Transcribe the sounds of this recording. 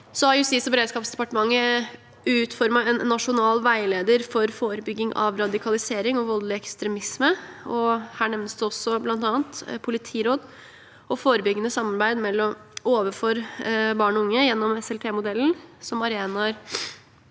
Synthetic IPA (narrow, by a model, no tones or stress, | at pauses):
sɔɑjʊsiːsɔbəɾeːd̪skɑːpsd̪ɛpɑʈəmɑŋːə | ʉːt̪fɔɾmɑɛnːɑʂʊnɑːlʋæɪleːd̪əɾfɔɾfoːɾəbʏɡːɪŋʔɑ̰ʋɾɑd̪ɪkʰɑlɪseːɾɪŋɔʋɔllɪɛkst̪ɾɛmɪsməɔhæːɳɛʋnəsd̪ʉɔsːɔblɑnt̪ɑːnt̪pʰʊlɪt̪ʰiːɾoːd̪ | ɔfoːɾəbʏɡːənəsɑmːɑɾbæɪd̪mɛlːɔoːʋəfoːɾbɑːɳɔʊŋːəjɛnːɔmɛsɛlpʰeːmʊd̪ɛlːn̩sɔmɑɾeːnɑɾ